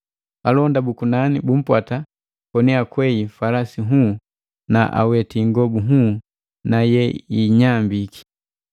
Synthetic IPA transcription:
alɔndabukunanibum̩pwata | kɔnɛakwɛjifalasiɦu | naʔa̰wɛtiŋɡɔbuɦuː | najɛiɲambiki̥

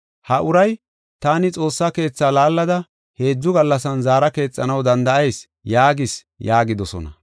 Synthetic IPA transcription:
hɐʔʊɾɐj | t̪aːnɪt͡sʼo̞ːsːake̞ːt͡sːaːlaːlːɐd̪ɐ | he̞ːd͡zːʊɡɐlːɐs̬ɐnzaːɾɐke̞ːt͡sʼːɐnɐwd̪ɐnd̪ɐʔɐjs | jaːɡɪs | jaːɡɪd̪ɔsɔ̰nɐ̰

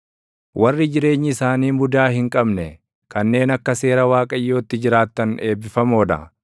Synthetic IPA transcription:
wʔɐrːɪd͡ʒɪɾe̞ːɲːɪːsaːniːmʊd̪aːhɪŋkʼɐbnɛ | kɐnːe̞ːnɐkːɐse̞ːɾɐwaːkʼɐjːo̞ːt̪ːɪd͡ʒɪɾaːt̪ːɐne̞ːbːɪfɐmo̞ːd̪ɐ̰

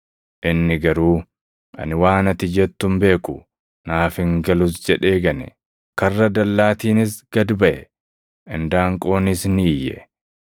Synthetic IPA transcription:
ʔɪnːɪɡɐɾuː | ʔɐ̰nɪwaːnɐt̪ɪd͡ʒɛt̪ːʊmbe̞ːkʊ | naːfɪŋɡɐlʊs̬d͡ʒɛᶑe̞ːɡɐnɛ̰ | kɐrːɐd̪ɐlːaːt̪iːnɪsɡ̥ɐd̪bɐʔɛ | ʔɪnd̪aːŋkʼo̞ːnɪsniːjːɛ̰

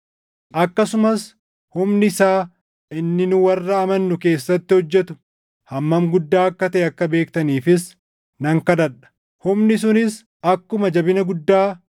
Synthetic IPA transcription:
ʔɐkːɐsʊmɐs | hʊmnɪsaː | ʔɪnːɪnʊwɐrːɐːmɐnːʊke̞ːsːɐt̪ːɪhɔd͡ʒːɛt̪ʊ̥ | hɐmːɐmɡʊd̪ːaːɐkːɐt̪ɐʔɛɐkːɐbe̞ːkt̪ɐniːfɪs | nɐŋkɐd̪ɐᶑɐ̥ | hʊmnɪs̬ʊnɪs | ʔɐkːʊmɐd͡ʒɐbɪnɐɡʊd̪ːaː

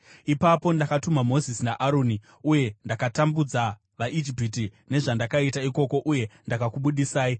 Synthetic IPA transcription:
ipapo̞ndakatumamo̞zisinaʔaɾoːni | uje̞ndakatambud͡za | ʋaʔid͡ʒipitine̞ʐandakaitaiko̞ko̞ʔuje̞ndakakuɓuɗisaːi

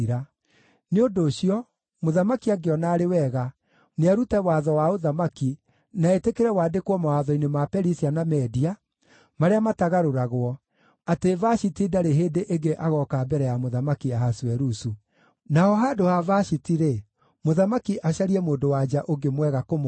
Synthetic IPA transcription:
ɾa | neondoːɕiɔ | moðamakiaɡeɔnaːɾewɛɣa | neaɾutɛwaːðɔwaoðamaki | naetekeɾɛwaːdekwɔmawaðɔinemapɛɾisianamɛdia | maɾeamataɣaɾoɾaɣwɔ | atevaɕitidaɾeɦeːdeʔeɡeʔaɣɔkabɛɾɛjamoðamakiaɦaswɛɾusu | naɔɦadohavaɕitiɾe | moðamakiʔaɕaɾiɛmoːndowad͡ʒaʔoɡemwɛɣakom

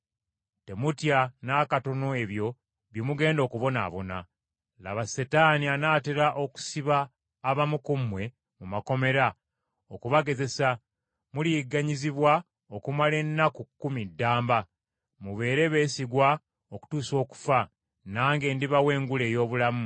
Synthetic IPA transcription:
te̞mutjanaːkato̞no̞e̞βjo̞ | βjimuɡe̞ːndo̞ːkuβo̞na̰ːβo̞na̰ | la̰βasetaːnianaːteɾaʔo̞ku̥siβaː | βamukumwe̞ | mumako̞me̞ɾa | okuβaɡe̞ze̞sa | muliɡaɲiziβwa | okumale̞nːakukːumidːaːmba | muβe̞ːɾe̞βe̞ːsiɡwa | oku̥tuːso̞ːku̥fa | naːŋɡe̞ːndiβawe̞ːŋɡule̞ːjo̞ːβulamu

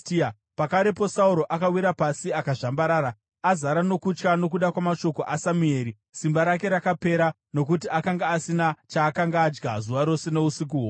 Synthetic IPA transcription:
ia | pakaɾe̞p̬o̞sauɾo̞ʔakawiɾapasiakaʐambaɾaːɾa | azaɾano̞kut͡ʃkano̞k̬uɗakwamaʃo̞koʔasamue̞ːɾi | simbaɾake̞ɾakape̞ɾa | no̞k̬utiakaŋɡaːsinat͡ʃaːkaŋɡaːd͡ʒɡa̰zuʋaɾo̞se̞ne̞usik̬uo

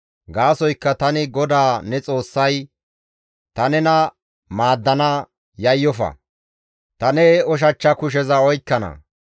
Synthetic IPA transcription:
ɡaːsɔjkːɐt̪ɐnɪɡɔd̪aːnɛt͡sʼo̞ːsːɐj | t̪ɐnɛnɐ | maːd̪ːɐnɐ | jɐjːɔfɐ̰ | t̪ɐnɛɔʃ̬ɐt͡ʃːɐkʊʃ̬ɛzɐɔjkːɐnɐ̰

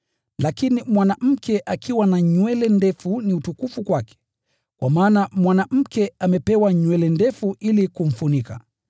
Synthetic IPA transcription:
lakinimwanam̩kɛʔakiwanaɲwɛlɛndɛfuniutukufukwakɛ̥ | kwa̰maːnamwanam̩kɛamɛpɛwaɲwɛlɛndɛfuʔilikum̩funika̰

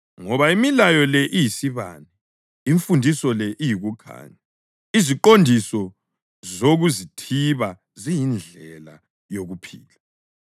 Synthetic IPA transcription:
ŋɔβaimilajɔlɛʔijisiβa̰ːnɛ | iɱfundʱisɔlɛʔijiɣukʰa̰ːɲa | iziǃondʱisɔ | zoɣuzitʰiβa | zijind͡ɮʱɛla | joɣupʰḭːla

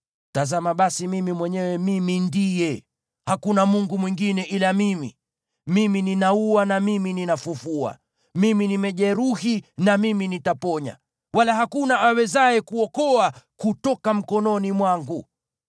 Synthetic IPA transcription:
tazamaɓasimimimwɛɲɛwɛmimindijɛ | hakunamuŋɡumwiŋɡinɛʔilamimḭ | mimininauanamimininafufua̰ | miminimɛʄɛɾuhinamiminitapɔɲa̰ | walaɦakunaʔawɛzaɛkuɔkɔakutɔkam̩kɔnɔnimwaŋɡu

